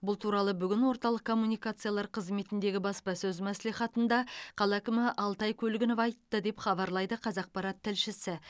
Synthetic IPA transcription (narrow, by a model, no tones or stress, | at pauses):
bʊlˠt̪ʰuɾɑlˠəbʏɡʲɪnwo̞ɾt̪ɑlˠəqkʰːo̞mːunijkat̪sɨjalˠɑɾqʰəzme̞t̪ɪnd̪e̞ɡʲɪbɑspɑsɵzmæsliχɑt̪ənd̪ɑqʰɑlˠækʲɪmɪʔɑlˠt̪ɑjkʲʰɵlɡʲɪnopɑjt̪ːəd̪e̞pχɑβɑɾlˠɑjd̪əqʰɑzɑq̚pɑɾɑt̪ʰːɪlʃɪsɪ